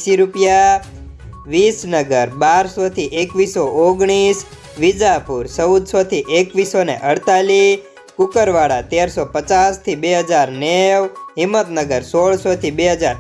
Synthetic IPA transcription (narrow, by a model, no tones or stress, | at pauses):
ʃiɾupja | ʋisnəɡəɾbaɾsot̪ʰiʔekʋisoʔoɡɳ̃is | ʋid͡ʒapuɾsəwd̪sot̪ʰiʔekʋisonḛʔəɽt̪ali | kʊkəɾʋaɽat̪eɾsopət͡ʃast̪ʰibeɦəd͡ʒaɾneʋɦɪmːət̪nəɡəɾsoɭsot̪ʰibeɦəd͡ʒaɾ